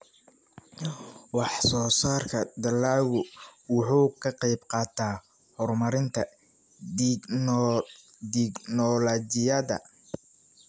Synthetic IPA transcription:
wɑħsɔːsaːrkʰɐd̪ɐlaːwʊwʊħuːkʰɐqɛjbqɑːt̪ʰaː | hɔrmɐɾɪnt̪ʰɐ | d̪ɪɡnɔlɔt͡ʃɪjɐðɐ̰

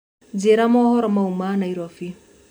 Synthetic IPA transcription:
d͡ʒeɾamɔhɔɾɔmaumanaiɾɔfi

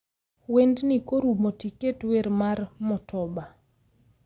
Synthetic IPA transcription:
wendnikoɾumotiketweɾmarmɔtʰɔba

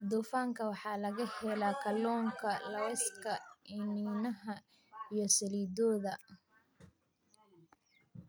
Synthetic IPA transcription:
d̪uːfaːŋkʰɐwɑħɑːlɐɣɐhɛlaːkʰɐlɔːŋkʰɐlɐwɛskʰɐɪniːnɐɦɐ | ijɞsɐliːd̪ɔːðɐ

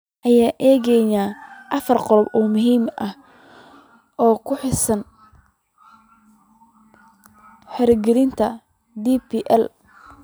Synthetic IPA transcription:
ʔɐjaːʔɛːɣɛnaːʔɐfɐrqɔlɔbɔːmʊɦiːmʔɐh | ʔɔːkʰʊħɪsɐn | ħɛɾɐɡɛɾɪnt̪ʰɐ | d̪ipiʔɛl

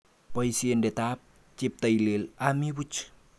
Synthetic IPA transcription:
poisiəndet̪ap̚ | t͡ʃip̚t̪aililamiwut͡ʃ

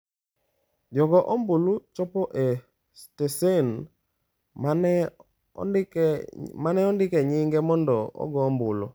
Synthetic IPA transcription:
d͡ʒɔɡɔʔɔmbulut͡ʃɔpɔʔe | stesen | manɛɔndɪkɛɲɪŋɡɛmɔndɔɔ̰ɡɔmbʊlṵ

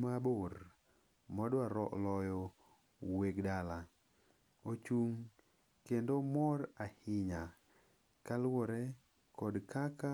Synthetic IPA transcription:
maboɾ | mɔdwaɾɔlɔjɔ | weɡdala | ot͡ʃuŋ | kendomɔrahɪɲa | kalwɔɾɛ | kɔdkaka

